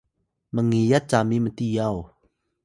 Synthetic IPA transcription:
məŋijat̪̚t͡saːmimət̪ijaw

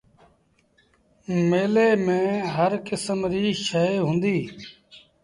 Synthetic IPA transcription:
meːleːmẽːɦəɾkɪsəmɾiːʃəeːɦʊ̃nd̪iː

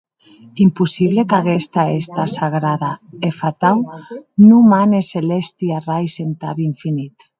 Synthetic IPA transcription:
impusiβlekaɣest̪aest̪asaɣɾaðaefat̪awnumaneselest̪iarajsent̪a̰ɾiɱfinit̪

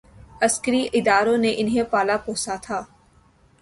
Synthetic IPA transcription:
ɐskəɾiʔɪd̪aːɾõneʔɪnɦẽpaːlapoːsat̪ʰaː

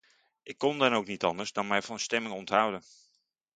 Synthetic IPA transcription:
ʔɪkːɔndɑnowknitɑ̰ndəɹzdɑnmɛjvɑnstɛmɪŋɔntɦʌwdən

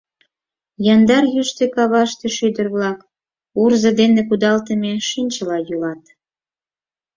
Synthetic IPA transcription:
jɑnd̪ɑrjyʃt̪ekɑβɑʃt̪eʃyd̪ərβlɑk | urzɤ̆d̪enekud̪ɑlt̪əmeʃinʲt͡ɕəlɑjulɑt̪

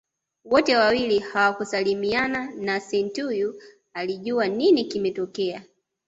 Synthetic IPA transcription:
wɔtɛwawilihawakusalimiananasɛntuju | aliʄuaninikimɛtɔkɛa

